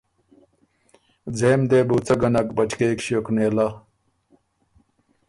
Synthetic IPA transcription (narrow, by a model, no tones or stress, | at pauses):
d͡zeːmd̪eːbuːt͡sɐɡɐnɐkbɐt͡ɕkeːkɕokneːlɐ